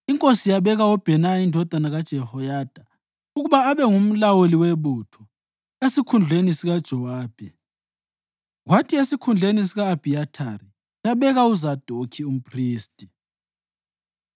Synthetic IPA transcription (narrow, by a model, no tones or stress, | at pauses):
iŋkʼosijaβɛɣawɔb̥ʱɛnaindʱɔd̥ʱanaɣad̥ʒ̥ʱɛhɔjaːd̥ʱa | uɣuβaːβɛŋum̩lawoliweβuːtʰɔ | esikʰund͡ɮʱenisiɣad̥ʒ̥ʱɔwaːb̥ʱɛ | ɣwatʰiesikʰund͡ɮʱenisiɣaːb̥ʱiatʰa̰ɾi | jaβɛɣauzad̥ʱokʰium̩pʰʼriːstʼi